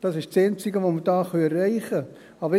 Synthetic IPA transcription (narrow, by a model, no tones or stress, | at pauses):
d̥ɑsɪʃt͡sɛnt͡sɪɡəʋomədɑːχœɛrɛɪχə | ɑbə